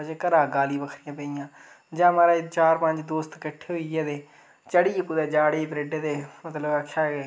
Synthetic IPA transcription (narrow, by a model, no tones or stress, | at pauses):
ət͡ʃeːkəɾaːɡaːliːbəkʰɾɪjãːpəiːãː | d͡ʒãːmaːɾaːt͡ʃaːɾpəɲd͡ʒd̪oːst̪kəʈʰːeːɦoiɛːd̪eː | t͡ʃəɽiːkʊd̪ɛːd͡ʒaːɽeːiːbɾeːɖeːd̪eːmət̪ləbəkʰːaːɡeː